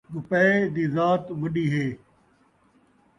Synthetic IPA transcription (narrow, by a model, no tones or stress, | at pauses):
ɡʊpəed̪iːzaːt̪ʋʊɗiːɦeː